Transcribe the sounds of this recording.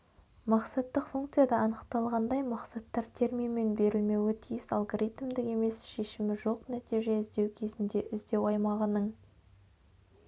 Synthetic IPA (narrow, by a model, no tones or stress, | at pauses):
mɑqsɑt̪ːəqfuŋkt̪sɨjad̪ɑɑnəqt̪ɑlˠʁɑnd̪ɑjmɑqsɑt̪ːɑɾt̪ʰe̞ɾmijme̞nbe̞ɾɪlme̞wɪt̪ʰijɪsɑ̰lˠɡoɾʲit̪md̪ɪke̞me̞sʃe̞ʃɪmɪʒo̞qnæt̪iʒe̞ɪzd̪e̞wkʲʰe̞zɪnd̪e̞ʔɪzd̪e̞wɑjmɑʁənəɴ